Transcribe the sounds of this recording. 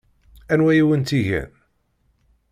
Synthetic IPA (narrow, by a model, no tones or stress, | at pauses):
ænwæjiwənt̪iʝæ̰n